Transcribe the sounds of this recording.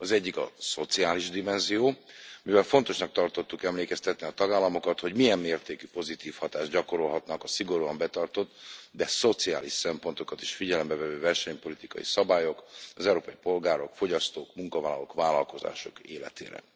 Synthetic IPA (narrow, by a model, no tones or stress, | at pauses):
ɒzɛɟːikɒ̰so̞t̪siaːliʒd̪imɛnzijoːmivɛlfo̞nt̪o̞ʃnɒk̚t̪ɒrt̪o̞t̪ːukɛmleːkɛst̪ɛt̪niɒt̪ɒɡaːlːɒmo̞kɒt̪ho̞ɟmiɛmːeːrt̪eːkypo̞zit̪iːfhɒt̪aːʒɟɒko̞ɾo̞lɦɒt̪nɒkɒsiɡo̞ɾuɒmbɛt̪ɒrt̪o̞t̪ːd̪ɛso̞t̪sia̰ːliʃsɛmpo̞nt̪o̞kɒt̪i̥ʃfiɟɛlɛmbɛvɛvøːvɛrʃɛɲpo̞lit̪ikɒ̰jḭsɒbaːjo̞kɒzɛuɾoːpɒjipo̞lɡaːɾo̞kfo̞ɟɒst̪oːkmuŋkɒvaːlɒlokvaːlɒlko̞za̰ːʃo̞keːlɛ̰t̪ḛːɾɛ̰